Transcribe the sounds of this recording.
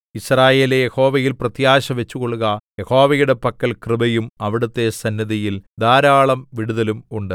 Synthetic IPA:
israːje̞ːlejeho̞ːʋɐjilprɐt̪jaːɕɐʋet͡ɕːuko̞ɭuɣɐje̞ho̞ːʋɐjuɽe̞pɐkːɐlkrɨbɐjumɐʋiɽut̪ːe̞sɐnjɐðijild̪aːɾaːɭɐmʋiɽuðɐlumuɳɖɨ

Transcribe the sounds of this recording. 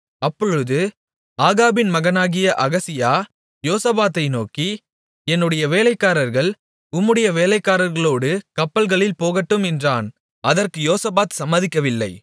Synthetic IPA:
ɐpːɔɻɯðɯ | aːɣaːbɪnmɐɣɐnaːɣɪjɐʔɐɣɐsɪjaː | joːsɐbaːt̪ːɐɪnoːki | ɛnːɯɽɐjɐʋeːlɐɪkːaːɾɐɾɣɐɭ | ʊmːɯɽɐjɐʋeːlɐɪkːaːɾɐɾɣɐɭoːɽɯkɐpːɐlɣɐɭɪlpoːɣɐʈːɯmɛndraːn | ɐðɐrkɯjoːsɐbaːt̪sɐmːɐðɪkːɐʋɪlːɐɪ

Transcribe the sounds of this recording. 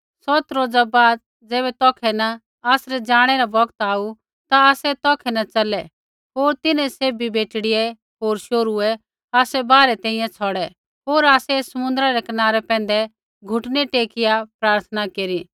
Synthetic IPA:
sɔt̪ɾoːd͡zabaːd̪̚ | d͡zɛːβɛt̪ɔːkʰɛnɐ | aːsɾɛd͡ʒaːɽ̃ɛɾabɐɡt̪aːu | t̪aaːsɛt̪ɔːkʰɛnɐt͡ʃɐlɛ | ɦoːɾt̪ɪnɛ̃seːbibeːʈɽɪɛ | ɦoːɾʃoːɾuɛ | aːsɛbaːɾɛt̪ɛ̃ːĩjãt͡sʰɔɽɛ | ɦoːɾaːsɛsɐmʊ̃nd̪ɾaɾɛkɐnaːɾɛpɛ̃ːnd̪ɛ | ɡʱʊʈnɛʈeːkɪjapɾaːɾt̪ʰənakeːɾi

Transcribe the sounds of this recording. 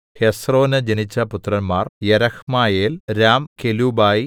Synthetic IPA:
hesro̞ːnɐd͡ʑenit͡ɕːɐput̪rɐnmaːrjɐɾɐkmaːjeːlɾaːmkeluːbaːji

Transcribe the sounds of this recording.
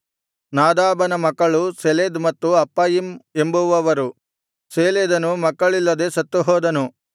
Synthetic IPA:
naːd̪aːbɐnɐmɐkːɐɭuseleːd̪mɐt̪ːuɐpːɐːjime̞mbuʋɐʋɐɾu | seːleːd̪ɐnumɐkːɐɭilːɐd̪e̞sɐt̪ːuɦɔːd̪ɐnu

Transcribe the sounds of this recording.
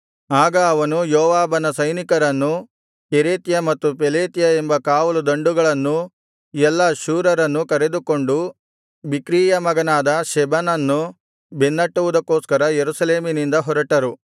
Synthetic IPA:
aːɡɐːʋɐnujɔːʋaːbɐnɐsɐjnikɐɾɐnːu | keɾeːt̪jɐmɐt̪ːup̬eleːt̪ijɐembɐkaːʋɐlud̪ɐɳɖuɡɐɭɐnːu | ɛlːɐʃuːɾɐɾɐnːukɐɾe̞d̪uko̞ɳɖu | bikɾiːjɐmɐɡɐnaːd̪ɐʃɛbɐnɐnːu | benːɐʈːuʋud̪ɐkːoːskɐɾɐjeɾusɐle̞ːminind̪ɐɦɔɾɐʈɐɾu

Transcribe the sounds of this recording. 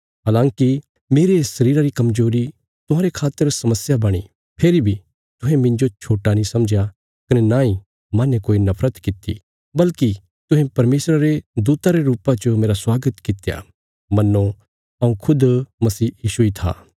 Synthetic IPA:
ɦaːlãːŋki | meːɾesɐɾiːɾaɾikɐmzoːɾi | t̪ʊɦãːɾekʰaːt̪ːəɾsɐməsjabɐɽ̃ḭ | pʰeːɾibʱi | t̪ʊɦẽmɪ̃ɲd͡ʒot͡ʃʰoːʈanĩsɐmd͡ʒja | kɐnenãːĩ | mãːnẽkoːinɐpʰɾət̪kɪt̪ːḭ | bɐlki | t̪ʊ̃ɦẽpɐɾmeːsɾaɾed̪uːt̪aɾeɾuːpãt͡ʃomeːɾaswaːɡət̪kɪt̪ja̰ | mɐnːo | ɐũkʰʊd̪mɐsiːjiːʃuit̪ʰa̰ː

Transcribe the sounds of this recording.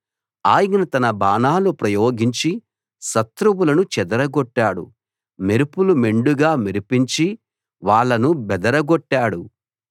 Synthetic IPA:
aːjɐɐnɐt̪ɐnɐbaːnaːlupɾɐjoːɡiɲt͡ʃi | sɐt̪ɾubulɐnut͡ʃɛd̪ɐɾɐɡɔʈːaːɽṵ | me̞ɾupulume̞ɳɖuɡaːmeɾupiɲt͡ʃi | ʋaːɭːɐnubɛd̪ɐɾɐɡoʈːaːɽu

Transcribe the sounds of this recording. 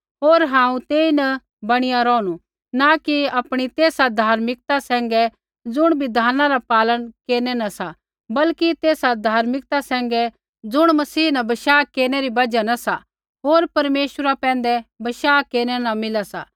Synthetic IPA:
ɦoːɾɦãːũt̪eːinɐ | bɐɽ̃ɪjaɾɔːɽ̃u | nakiɐpɽ̃it̪eːsad̪ʱaːɾmɪk̚t̪asɛ̃ːŋɡɛ | d͡zʊɽ̃bɪd̪ʱaːnaɾapaːləɽkeːnɛnɐsa | bɐlkit̪eːsad̪ʱaːɾmɪkt̪asɛ̃ːŋɡɛ | d͡zʊɽ̃mɐsiːnɐbɐʃaːkeːɾñɛɾibɐd͡ʒanɐsa | ɦoːɾpɐɾmeːʃəɾapɛ̃ːn̆d̪ɛbɐʃaːkeːɾnɛnɐmɪlasa̰ː

